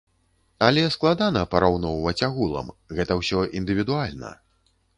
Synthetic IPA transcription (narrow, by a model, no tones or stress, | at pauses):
ɐlʲɛsklˠad̪anɐpɐɾawnɔwvɐt͡sʲaɣulˠɐ̰mɣɛt̪ɐwsʲɔʔind̪ɨvʲid̪ualʲnɐ̰